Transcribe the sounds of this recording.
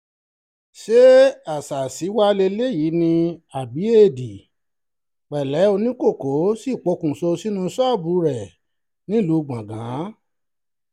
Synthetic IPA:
ʃe˦a˨sa˨si˨˦wa˦le˧le˦ji˨˦nĩ˧a˨bi˨˦e˦˨di˨ | k͡pɛ˨lɛ˨˦o˧nĩ˦ko˦˨ko˨˦si˦˨k͡po˨˧˦kũ˨so˧si˦nũ˧˦sɔ˦˨bu˨˧˦ɾɛ˨ | nĩ˦lu˧˦˧ɡ͡bã˨ɡã˨˦

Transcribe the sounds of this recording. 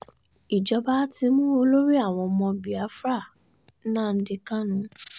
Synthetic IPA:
i˨d͡ʒɔ˧ba˦ti˧mũ˦o˧lo˦ɾi˦a˦˨w̃ɔ̃˧mɔ̃˧bi˨a˨˦fɾa˦˨˦ | nã˦˨n̩˦di˧kã˦nũ˧˦

